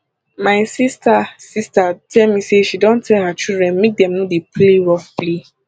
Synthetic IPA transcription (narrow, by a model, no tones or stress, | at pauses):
maɪsistasistatʰɛlmiseʃidɔ̃ntʰɛlhat͡ʃidɹɛ̃nmek̚dɛ̃mnodepleɹɔffli